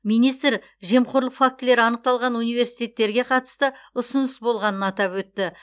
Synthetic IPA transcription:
mijnijst̪ɾ | ʒe̞mqʰoɾlˠəqfak̚t̪ɪle̞ɾɪɑnəq̚t̪ɑlˠʁɑnunijve̞ɾsijt̪ʲe̞t̪ːe̞ɾɡʲe̞qʰɑt̪ə̥st̪əʊsʊnəsbo̞lˠʁɑnənɑt̪ɑpwɵt̪ːɪ

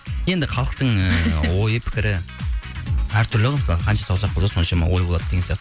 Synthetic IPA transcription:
je̞nd̪ɪqʰɑlˠəq̚t̪əɴəwo̞jəpʰɪ̥kʲɪɾɪ | æɾt̪ʰʏɾlɪʁɑsˠqʰɑnʃɑsɑwsɑqbod̪so̞nʃɑmnɑ̰wo̞jbo̞lˠɑd̪əd̪eɡʲenijɑqt̪ə

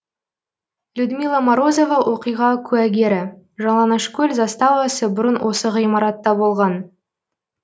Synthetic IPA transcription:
lʲud̪mijlˠamaɾo̞zo̞vɑwʔo̞qijʁɑkʲʰʉæɡʲe̞ɾɪ | ʒɑlˠɑnɑʃkʲɵlʲzɑst̪ɑwɑsəbʊɾənwʔo̞səʁijmɑɾɑt̪ːɑbo̞lˠʁɑn

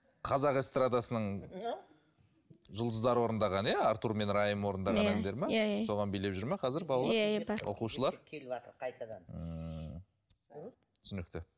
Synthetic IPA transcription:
qʰɑzɑqest̪rad̪asənəɴ | ʒʊlˠd̪əzd̪ɑɾəwo̞ɾənd̪ɑʁɑnjaːɾt̪uɾme̞nɾɑjəmwo̞ɾənd̪ɑʁɑemd̪eɾmɑjso̞ʁɑnbejle̞pʒʏɾmɑqʰɑzɪɾbɑlˠlˠabwʔo̰quʃəlˠɑɾkʲʰt̪əɾqʰɑjt̪ɑd̪ɑnə | t̪ʰʏsʏnɪk̚t̪ɪ

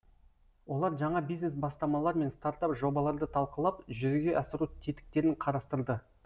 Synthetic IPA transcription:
wo̞lˠɑɾʒɑɴɑbijzne̞sbɑst̪ɑmɑlˠɑɾme̞nst̪aɾt̪ɑpʒo̞bɑlˠɑɾd̪ət̪ʰɑlˠqəlˠɑpʒʏzɡʲe̞ʔɑsɪɾut̪ʰe̞t̪ɪ̥k̚t̪e̞ɾɪɴqʰɑɾɑst̪əɾd̪ə

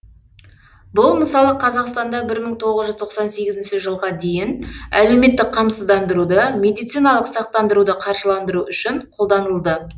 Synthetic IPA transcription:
bʊlˠməsɑlˠəqʰɑzɑqst̪ɑnd̪ɑbɪɾməɴt̪ʰo̞ʁəzʒʏzt̪ʰo̞qsɑnse̞ɡʲɪzɪnʃɪʒəlˠʁɑd̪e̞jɪnæ̰le̞wme̞t̪ːɪk̚qʰɑmsəzd̪ɑnd̪əɾud̪əmʲe̞d̪ijt̪sijnɑlˠəqsɑq̚t̪ɑnd̪əɾud̪əqʰɑɾʃəlˠɑnd̪əɾuʔʏʃɪɴqʰo̞lˠd̪ɑnəlˠd̪ə

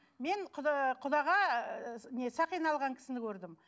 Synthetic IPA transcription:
me̞nq̪ʰqʰʊd̪ɑʁɑ | ne̞sɑqijnɑlˠʁɑŋkʰʲɪ̥sɪnɪkʰʲɵɾd̪ɪm

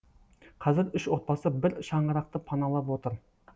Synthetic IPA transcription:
qʰɑzɪɾʏʃot̪̚pɑsɨbɪɾʃɑɴʁəɾɑqt̪ɨpʰɑnɑlˠɑpwot̪ɨɾ

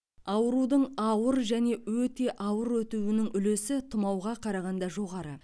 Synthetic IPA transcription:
ɑwəɾud̪əɴɑwəɾʒæne̞wɵt̪e̞ʔɑwəɾwɵt̪uwɪnɪŋʏle̞sɪt̪ʰʊmɑwʁɑqʰɑɾɑʁɑnd̪ɑʒo̞ʁɑɾə

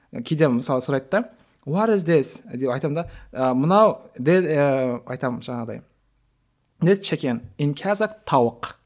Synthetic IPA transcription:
kʲʰejd̪eməsɑlˠəsoɾɑjt̪̚d̪ɑ | waɾɪzd̪esd̪eɑjt̪ɑmd̪ɑmənɑwd̪e | ɑjt̪ɑmʒ̥ɑɴɑʁd̪ɑ̰j | nest͡ʃʰekʲenɪnkʲʰæzakt̪ʰɑwəq

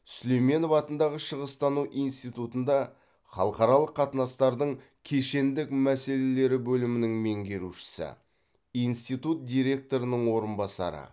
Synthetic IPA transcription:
slejme̞novɑt̪ənd̪ɑʁəʃəʁəst̪ɑnuʔijnst̪ijt̪ut̪ənd̪ɑ | χɑ̰lˠəqɑɾɑlˠəqʰːɑt̪ənɑst̪ɑɾd̪əɴ | kʲʰeʃe̞nd̪ɪkmæse̞le̞le̞ɾɪbɵlɪmɪnɪŋmeŋɡʲe̞ɾuʃɪ̥sɪ̰ | ijnst̪ijt̪ut̪̚d̪ʲijɾe̞k̚t̪o̞ɾənəɴwo̞ɾənbɑsɑ̰ɾə̰

